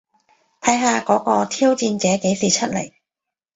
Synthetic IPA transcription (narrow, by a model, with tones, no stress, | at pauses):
t̪ʰɐ˨˥jɦaː˨˧kɔː˨˥kɔː˧t̪ʰiː˥wt͡siː˧nt͡sɛː˨˥ke˨˥jsiː˨˩t͡ʃʰə˥t̚lḛ˨˩j